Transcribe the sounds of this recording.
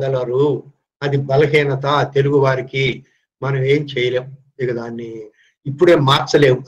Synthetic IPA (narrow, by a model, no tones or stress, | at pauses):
d̪ɐlɐɾu | ɐd̪ibɐlɐɦiːnɐt̪ɐt̪e̞luɡuʋaːɾiki | mɐnɐme̞ːmt͡ʃɛːjɐleːm | d̪iɡɐd̪aːnːiː | pːuɽe̞ːmaːɾt͡ʃːɐle̞ːwu